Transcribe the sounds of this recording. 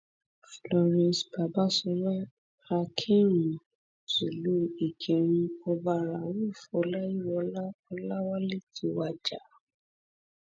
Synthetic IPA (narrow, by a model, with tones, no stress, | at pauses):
flɔ˧ɾɛ̃˧sba˨ba˦sɔ˧˦ɾa˦ | a˧kʰĩ˦ɾ | su˨lu˦e˨d͡ʒe˨ɾ̃ĩ˧ɔ˧ba˧ɾa˨wo˦˨fɔ˧˦la˦i˦wɔ˧˦la˦ɔ˧la˦wa˦le˦tʰi˨˦wa˧d͡ʒa˨˦